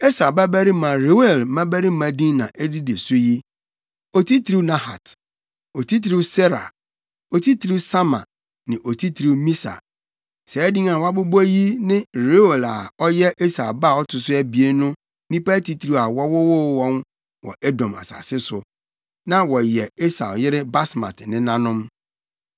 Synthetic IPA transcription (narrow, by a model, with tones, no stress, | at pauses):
e˦sa˨ba˦bæ˦ɾi˦mã˨ɾe˨˦e˨lmã˦bæ˦ɾi˦mã˨dĩ˦nnã̰˨ʔɛ˦di˦de˨sʊ˦ji˦ | o˨tʰi˦tʰɾi˦nã˦ha̰˨t | o˨tʰi˦ti˨ɾi˦wsɛ˦ɾa̰˨ | o˨tʰi˦tʰɾi˦wsa˦mã̰˨ | nɪ̃˨ʔo˨tʰi˦tʰɾi˦wmĩ˦sa̰˨ | sɛ˨ɛ˦dĩ˦n˦a˨wa˦bʊ˦bji˦nɪ̃˦ɾe˦o˨la˨ɔ˦jɛ˦ʔe˦sa˨ba˦˨ɔ˦tʰʊ˨sʊ˦æ˦bi˨e˦nʊ̃˦ | nĩ˦pa˦ti˦tʰɾi˦˨a˨wɔ˦wɔ˦wʊ˦wɔ̃˦n | wɔ̰˨ʔe˦dɔ̃˨ma̰˨sa̰˨sɪ˦sʊ˨ | nã˦wɔ˨jɛ˨e˦sa˨jɪ˦ɾɪ˦ba˦sma̰˨tnɪ̃˦nã˦nʊ̃˦m